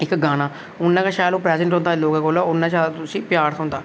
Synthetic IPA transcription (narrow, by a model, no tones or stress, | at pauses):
ɪkɡaːnaː | ʊnːãːkaːʃaːjloːpɾɛːzəɳʈɦõnd̪aːloːɡãːkoːlaʊnːãt͡ʃaːt̪ʊsĩːpjaːɾsõːnd̪aː